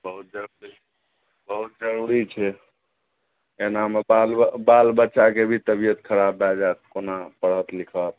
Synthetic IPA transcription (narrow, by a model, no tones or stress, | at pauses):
bəɦut̪̚d͡ʒəɾuɾi | bəɦut̪̚d͡ʒəɾuɾit͡ʃʰɛ | enamebalbalbətːʃakebʱit̪əbijət̪kʰəɾabːad͡ʒat̪̚konapəɽ̤ət̪likʰət̪̚